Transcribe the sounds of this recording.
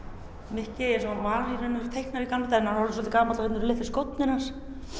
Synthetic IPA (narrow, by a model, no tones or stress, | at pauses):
mɪhcɪɛsɔmaːɾiɾɪnːʏ̥t̪ʰejhknaɾikanːat̪ajnanhɔlɪs̬ɔlt̪ɪkaːmat̪ahɛt̪ʏɾlɪhfɪskowt̪nɪnas